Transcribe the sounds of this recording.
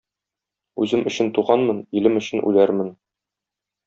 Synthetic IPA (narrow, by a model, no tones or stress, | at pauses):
ʉzɘmʔɵ̆ɕɘnt̪uʁɑnmɤnilɘmɵ̆ɕɘ̆nʔʉ̰læɾmɘn